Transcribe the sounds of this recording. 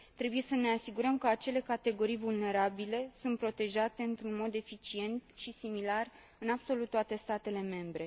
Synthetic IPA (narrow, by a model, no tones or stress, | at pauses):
t̪ɾe̞buje̞səne̞asiɡuɾəmkəat͡ʃe̞le̞kat̪e̞ɡo̞ɾijvulne̞ɾabile̞sunt̪̚pɾo̞t̪e̞ʒat̪e̞ɨnt̪ɾunmo̞d̪e̞fit͡ʃie̞nt̪ʃisimilar | ɨnabso̞lut̪ːoat̪e̞st̪at̪e̞le̞me̞mbɾe̞